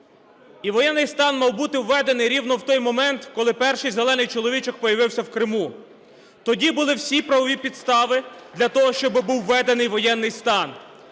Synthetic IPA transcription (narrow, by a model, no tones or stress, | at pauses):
iʋɔjɛnːɪjst̪ɑnmɑwbut̪ɪwːɛd̪enɪjɾʲiwnɔwt̪ɔjmɔmɛnt̪kɔlˠɪpɛrʃɪjzelˠɛnɪjt͡ʃɔlˠɔʋʲit͡ʃɔk̚pɔjɐʋɪwsʲɐwkɾɪmu | t̪ɔdʲibʊlˠɪwsʲipɾɐʋɔʋʲipʲid̪st̪ɑʋɪd̪lʲɐt̪ɔɦɔʃt͡ʃɔbɪbuwːɛd̪enɪjʋɔjɛnːɪjst̪ɑn